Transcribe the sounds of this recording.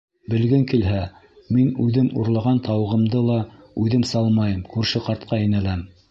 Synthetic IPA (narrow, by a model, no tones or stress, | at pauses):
bɘ̆lɡɘŋkilɦæ | minʉðɘmṵɾlˠɑʁɑnt̪ɑw̆ʁɤ̆md̪ɤlˠɑ | ʉðɘmsɑlˠmɑjɤmkʉɾʃɘqɑɾt̪̚qʰɑĭnæ̆læm